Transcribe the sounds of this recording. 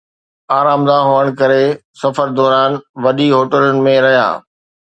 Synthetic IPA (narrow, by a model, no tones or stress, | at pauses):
aːɾaːmd̪aɦoːəɽ̃kɐɾesɐfəɾd̪ɔːɾaːnʋɐɗiɦoːʈəlʊnɪ̆mẽɾɐɦija̰ː